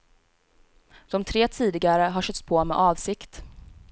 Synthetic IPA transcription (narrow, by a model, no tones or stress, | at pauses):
d̪̥ɔmt̪ʰɾeːt̪ʰiːd̪ɪɡaɾəɦaʂœt̪spʰoːmɛ̰ʔɑːvsɪkt̪